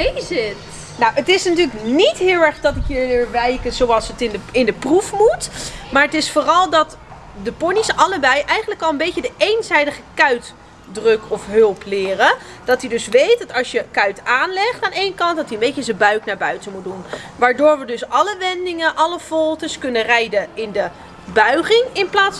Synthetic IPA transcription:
zɪt | nowətɪsnatyːləknitɦɪːlˠɛɹχdɑtɪkjəɹlɪːɹʋɛjkəzowɑlˠsətɪnəɪndəprufmutmaːɹətɪsfoːrɑlˠdɑt | dəpɔnisɑləbɛjʔɛjχəntləkɑlˠənbejədəʔejnzɛjdəχəkœɥt | drɵkɔfɦɵlˠplɪːrə | d̥ɑtidɵsʋejt̚dɑtɑlˠsjəkœɥtaːnlɛχtaːnejnkɑnt̚dɑtiənbejcəzəbœɥknaːɹbœɥtəmut̚dunʋaːɹdoːɹʋədɵsɑləʋɛndɪŋənʔɑləv̥ɔlˠtəskɵnərɛjdəɪndə | bœɥχɪŋɪnplaːts

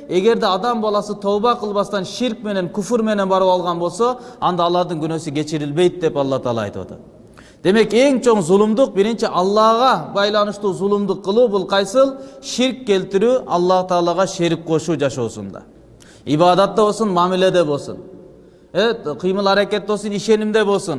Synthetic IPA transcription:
e̞ɡe̞ɾd̪eɑd̪ɑmbɑlˠɑsɯt̪ʰo̞wβɑqɯlˠβɑst̪ɑnʃiɾk̚me̞ne̞ŋkufuɾme̞ne̞nbɑɾɯwɑlˠʁɑnbo̞lˠso̞ɑnd̪ɑːlˠɑɾd̪ɯŋɡynø̞syke̞t͡ʃiɾilbe̞jt̪̚d̪e̞pɑlˠːɑht̪ɑːlˠɑ̰jt̪ṵɑ̰t̪ɑ̰ | d̪̥e̞me̞ke̞ŋt͡ʃʰo̞ɴzulˠumd̪uq̚biɾint͡ʃiʔɑlˠːɑʁɑbɑjlˠɑnɯʃt̪uːzulˠumd̪uqːɯlˠuːbulˠqʰɑjsɯlˠʃiɾkːe̞lt̪iɾyːʔɑlˠːɑt̪ɑːlˠɑʁɑʃeɾik̚qʰo̞ʃuːd͡ʒɑʃo̞̰ːsṵnd̪ɑ̰ | iβɑːd̪ɑt̪ːɑβbo̞lˠsunmɑmile̞d̪e̞bo̞lˠsṵn | eqʰijmɯlˠɑɾɑke̞t̪̚bo̞lˠsuniʃe̞nimd̪e̞βo̞lˠsun

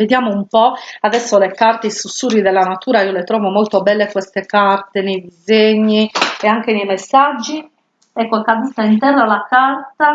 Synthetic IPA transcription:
ved̪jaːmoumpɔad̪ɛsːolekart̪eisusːuːrid̪ɛlːanat̪uːɾaiolet̪ɾɔːvomɔlt̪obɛlːekwɛst̪ekart̪enejd̪izeɲːiɛaŋk̟enejmesːad͡ʒːi | ɛkːokad̪ist̪aint̪ɛrːalakart̪a

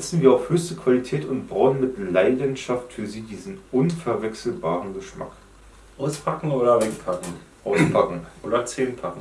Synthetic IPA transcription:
zɛt͡sn̩viːɐaʊfhøːçstəkʰv̥alitʰɛːtʊntb̥ʁaʊənmɪtlaɪdənʃaftfyːɐziːdiːzn̩ʔʊnfɛɐvɛksl̩baːʁənɡəʃma̰k | ʔaʊspʰakŋ̩oːɾɐvekpʰakŋ̩ | ʔaʊspʰakŋ̩ʔoːdɐt͡seːnpʰakŋ̩

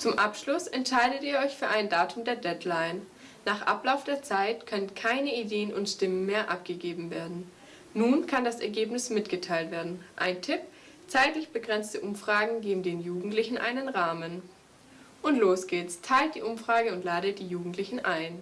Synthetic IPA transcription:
t͡sʊmʔapʃlʊsʔɛntʃaɪdətiːɐɔʏçfyːɐʔaɪndaːtʰʊmdeːɐdɛdlaɪnː | aːχʔa̰plaʊfd̥eːɐt͡saɪtkʰœnənkʰaɪnəideːənʊntʃtɪmənmeːɐʔa̰pɡ̥əɡeːbm̩veːɐdn̩ | nuːnkʰandasɛɐɡeːpnɪsmɪtɡ̥ətʰaɪltv̥eːɐdn̩ʔa̰ɪntʰɪp | t͡saɪtlɪçb̥əɡʁɛnt͡stəʔʊmfʁ̥aːɡŋ̩ɡeːbm̩deːnjuːɡŋ̩tlɪçn̩ʔa̰ɪnənʁaːmən | ʔʊntloːsɡ̥eːtstʰaɪlt̚d̥ḭːʔʊmfʁ̥aːɡəʊntlaːdət̚d̥iːjuːɡŋ̩tlɪçn̩ʔaɪn

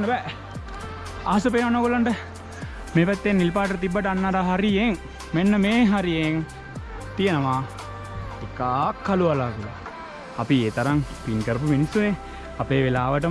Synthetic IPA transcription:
nəbɛ | a̰ɦasəpenʋanokulaɳʈə | meːpæt̪ːenːilpaːʈəʈət̪ibːəʈəanːaːɾaɦaɾijeŋ | menːəmeːɦaɾijeŋ | t̪ijənəʋaː | ikaːkʰːaluʋalaːkila̰ | apieːt̪aɾaŋpinkəɾəp̬uminisːune | apeːʋelaːʋəʈ̬ə

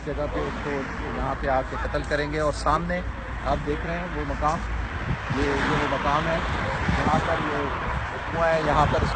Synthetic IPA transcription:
d͡ʒɐɡapeʊsko | jɐɦãpeaːp̚kexɐt̪əlkɐɾẽːɡeɔːɾsaːmne | aːp̚d̪eːkʰɾɐɦeɛ̃ʋomɐkaːm | jejeʋomɐkaːmɦɛːjɐɦãpɐɾje | ʊkũãɦɛjɐɦãpɐɾ

